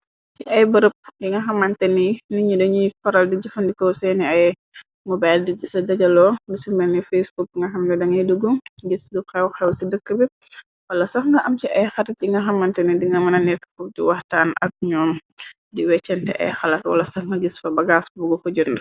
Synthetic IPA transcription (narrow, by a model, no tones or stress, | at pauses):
t͡ʃiʔɐjbəɾəp̚diŋɡɐxɐmɐntɛniniɲidɐɲifɔɾɐldiɟufɐndikɔwsɛniɐj | mɔbajldidisɐdɐɟɐlɔːdisumɛnifesbuk̚ŋɡɐxɐmdɛdɐŋɛduɡuɡisdukɛwxɛwsidəkːəbi | wɐlɐsɐxŋɡɐʔɐmt͡ʃiʔɐjxɐlɐt̚diŋɡɐxɐmːɐntɛnidiŋɡɐmɐnɐnɛkpuk̚dḭwɐhtaːnʔɐ̰k̚ɲɔːm | diwɛt͡ʃːɛntɛ̰ʔɛ̰jxɐlɐtwɐ̰lɐsɐxŋɡɐɡisfɐbɐɡasbuɡɔkɔɟundɐ